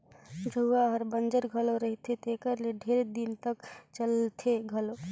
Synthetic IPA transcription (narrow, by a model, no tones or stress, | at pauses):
d͡ʒʱəuaɦəɾbənd͡ʒəɾɡʱəloɾəɦit̪ʰet̪ekəɾleɖʱeɾed̪int̪əkt͡ʃəlt̪ʰeɡʱəlo